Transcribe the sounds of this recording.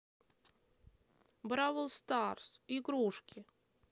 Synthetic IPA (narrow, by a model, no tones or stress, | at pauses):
bɾavəlˠst̪arsiɡɾuʂkʲɪ